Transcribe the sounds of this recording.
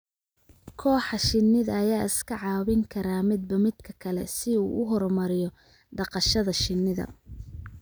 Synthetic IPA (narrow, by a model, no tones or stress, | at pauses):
kʰɔːħɑʃɪnːɪðɐːjaːɪskʰɐʕɑːβɪŋkʰɐɾaːmɪd̪̚bɐmɪd̪kʰɐkʰɐlɛ̰sɪṵːʔʊɦɔrmɐɾɪjɔ | ɖɑqɑʃɐðɐʃɪnːɪðɐ̰